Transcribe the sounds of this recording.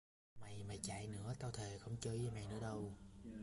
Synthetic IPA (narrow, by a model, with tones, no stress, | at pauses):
ma˨˩jma˨˩jt͡ɕa̰˧˨jnɨ̰˧˥ət̪aː˧wt̪ʰe˨˩xə˧wŋ͡mt͡ɕəː˧jə˧ma˨˩jnɨ̰˧˥əɗə˧w